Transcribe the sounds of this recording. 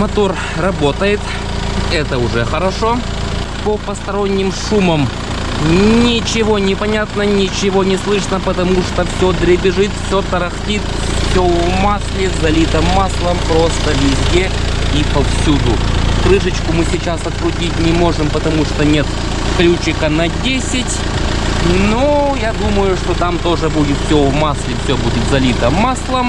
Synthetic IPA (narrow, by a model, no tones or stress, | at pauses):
mɐt̪ur | rɐbo̞t̪əjɪt̪ | ɛt̪əʊʐɛxəɾɐʂo̞ | pəpəst̪ɐɾonʲːɪmʂuməm | nʲɪt͡ɕɪvo̞nʲɪpɐnʲat̪nənʲɪt͡ɕɪvo̞nʲɪslˠɨʂnəpət̪ɐmuʂt̪ofsʲod̪ɾʲɪbʲɪʐɨt̪fsʲot̪əɾɐxtʲit̪ | fsʲomaslʲɪzɐlʲit̪əmːaslˠəmpɾo̞st̪əvʲɪzʲdʲe | ipɐfsʲud̪ʊkɾɨʂɨt͡ɕkʊmɨsʲɪt͡ɕasɐt̪̚kɾʊtʲitʲnʲɪmo̞ʐɨmpət̪ɐmuʂt̪onʲe̞t̪ | klʲut͡ɕɪkənɐdʲesʲɪtʲ | nojad̪uməjʊʂt̪ot̪amt̪o̞ʐɨbudʲɪt̪fsʲovmaslʲɪfsʲobudʲɪt̪zɐlʲit̪əmaslˠəm